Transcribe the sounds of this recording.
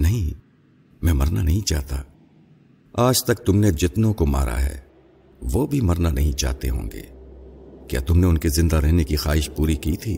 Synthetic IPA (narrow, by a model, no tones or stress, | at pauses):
nɐɦĩ | mɛ̃ːmɐɾnanɐɦĩt͡ʃaːɦt̪a̰ː | aːd͡ʒt̪ɐk̚t̪ʊmned͡ʒɪt̪nõkoma̰ːɾʔa̰ɦɛ̰ː | ʋoːbʱimɐɾnanʔɐɦĩt͡ʃa̰ːɦt̪ḛɦõ̰ːŋɡḛː | kja̰ːt̪ʊmneʊnkezɪ̃nd̪aɾɛɦnekixaːɦɪʃpuːɾikiːt̪ʰiː